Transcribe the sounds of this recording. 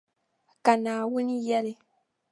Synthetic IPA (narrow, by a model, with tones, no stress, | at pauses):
ka˨naː˨wu˦ni˦jɛ˦le˨